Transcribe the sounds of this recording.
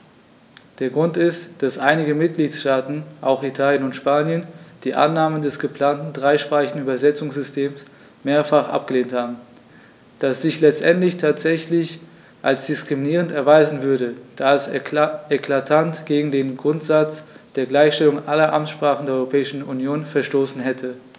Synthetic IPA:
d̥eːɐɡʁʊntɪstd̥asʔaɪnɪɡəmɪt̚ɡ̥liːtʃtaːtn̩ʔaʊxitʰaːljənʊntʃpaːnjənd̥iːʔa̰nːaːməndɛsɡ̥əpl̥aːntn̩dʁaɪʃpʁ̥aːɪçn̩yːbɐzɛt͡sʊŋsz̥ʏstʰeːms | meːɐfaχʔa̰p̚ɡ̥əleːnthaːbm̩ | d̥asz̥ɪçlɛt͡stʔɛntlɪçtʰaːtz̥ɛçlɪç | ʔalsd̥ɪskʁ̥iminiːʁ̞əntɛɐvaɪzn̩vʏɐdəd̥aːɛsɛkʰl̥atʰantɡ̥eːɡŋ̩deːnɡʁʊntz̥at͡sd̥eːɐɡlaɪçʃtɛlʊŋʔalɐʔamtʃpʁ̥aːχn̩deːɐɔʏʁopʰɛːɪʃn̩unjoːnfɛɐʃtoːsn̩ɦɛtʰə

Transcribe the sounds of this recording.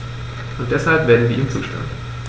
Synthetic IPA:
ʔʊnt̚d̥ɛshalpv̥eːɐdn̩viːʔiːmt͡suːʃta̰nt

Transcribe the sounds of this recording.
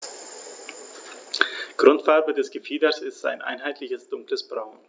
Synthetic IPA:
ɡ̥ʁʊntfaɐbədɛsɡ̥əfiːdɐsɪstz̥a̰ɪnʔa̰ɪnɦaɪtʰlɪçəsd̥ʊŋkləsb̥ʁaʊn

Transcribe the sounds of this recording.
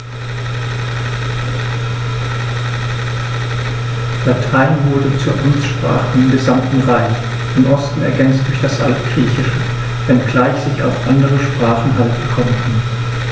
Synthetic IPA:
latʰaɪnvʊɐdət͡suːɐʔansʃpʁ̥a̰ːχəɪmɡəzamtn̩ʁaɪç | ʔɪmʔɔstn̩ɛɐɡɛnt͡std̥ʊɐçd̥asʔa̰ltɡ̥ʁiːçɪʃə | vɛnɡlaɪçz̥ɪça̰ʊfʔandəʁəʃpʁ̥aːχn̩ɦaltb̥əkʰɔmənkʰn

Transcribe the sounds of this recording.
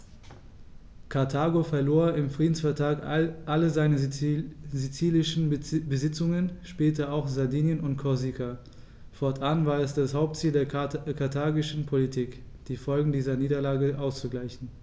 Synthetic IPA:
kʰaɐtʰaːɡofɛɐloːɐɪmfʁ̥iːdn̩sfɛɐtʁaːkʔaləzaɪnə | zit͡siːlɪʃn̩bəzɪt͡sʊŋənʃpɛːtɐaʊxz̥adiːnjənʊntkʰɔzikʰa | fɔɐtʰʔanvaːɐɛsd̥ashaʊp̚tt͡siːldeːɐkʰatʰaːɡɪʃn̩pʰolitʰiːk | d̥iːfɔlɡŋ̩diːzɐniːdɐlaːɡəʔaʊst͡suɡlaɪçn̩

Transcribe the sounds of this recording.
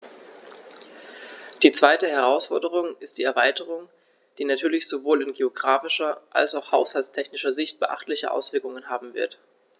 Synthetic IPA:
d̥iːt͡sv̥aɪtəɦɛʁaʊsfɔɐdəʁ̞ʊŋɪst̚d̥iːɛɐvaɪtəʁ̞ʊŋ | d̥iːnatʰyːɐlɪçz̥ovoːlɪnɡeoɡʁaːfɪʃɐʔa̰lsaʊxhaʊshalstʰɛçnɪʃɐzɪçt̚b̥əʔa̰χtlɪçəʔa̰ʊsv̥ɪɐkʊŋənɦaːbm̩vɪ̰ɐt

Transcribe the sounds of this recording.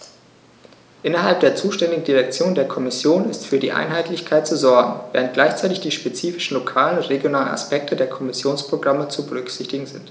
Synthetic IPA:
ʔɪnɐɦalp̚d̥eːɐt͡suːʃtɛndɪɡŋ̩diʁɛk̚t͡sjoːndeːɐkʰɔmɪsjoːnɪstfyːɐdḭːʔa̰ɪnɦaɪtʰlɪçkʰaɪtt͡suzɔɐɡŋ̩vḛːʁnt̚ɡ̥laɪçt͡saɪtɪçd̥iːʃpet͡siːfɪ̥ʃn̩lokʰaːlənʊntʁ̥eɡjonaːləna̰spɛk̚tʰədeːɐkʰɔmɪsjoːnspʁ̥oɡʁamət͡subəʁ̞ʏkz̥ɪçtɪɡŋ̩zɪnt

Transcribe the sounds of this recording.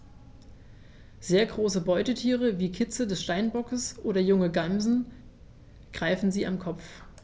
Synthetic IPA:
z̥eːɐɡʁoːsəbɔʏtətʰiːʁəviːkʰɪt͡sədɛsʃtaɪnbɔkəsʔoːɾɐjʊŋəɡamzn̩ | ɡ̥ʁaɪfn̩ziːʔamkʰɔp͡f

